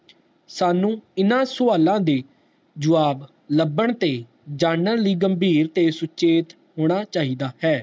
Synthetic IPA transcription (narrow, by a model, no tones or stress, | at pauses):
saːnũːɪnãːsʊaːlãːd̪eː | d͡ʒʊʋaːb | ləbəɳt̪eː | d͡ʒaːnəɾliːɡəmbʱiːɾt̪eːsʊt͡ʃʰeːt̪ | ɦoːɽ̃aːt͡ʃaːiːd̪aːhɛː